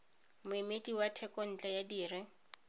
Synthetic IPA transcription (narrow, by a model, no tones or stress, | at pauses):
mʊɪmetiwatʰɛkɔn̩t͡ɬʼajadiːrɪ